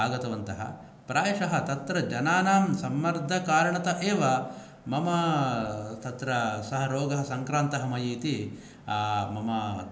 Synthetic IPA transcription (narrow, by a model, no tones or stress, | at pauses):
aːɡɐt̪ɐʋɐnt̪ɐɦɐ̰ | pɾaːjɐʂɐɦɐt̪ɐt̪ɾɐd͡ʒɐnaːnaːmsɐmːɐɾd̪ʱɐkaːɾɐɳɐt̪ɐʔeːʋɐ | mɐmɐ | t̪ɐt̪ɾɐsɐɦɐɾoːɡɐɦɐ̆sɐŋkɾaːnt̪ɐɦɐmɐjiːt̪i | mɐmɐ